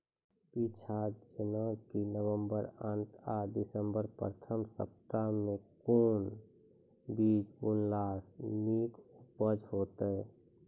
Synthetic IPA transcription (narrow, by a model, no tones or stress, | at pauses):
pit͡ʃʰad͡ʒənəkinəwəmbəɾənt̪ad̪ɪsəmbəɾpət̪ʰəmsə̰p̚t̪amẽkuːn | biːd͡ʒʊnlaːsmiːkʊpəd͡ʒhoːt̪ɛ